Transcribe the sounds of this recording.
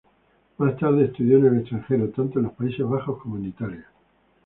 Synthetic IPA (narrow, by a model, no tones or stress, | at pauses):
mast̪aɾð̞eːst̪uðjonele̞st̪ɾaŋxe̞ɾot̪ant̪onlo̞hpaise̞ɦβ̞axo̞hkomonit̪aɾja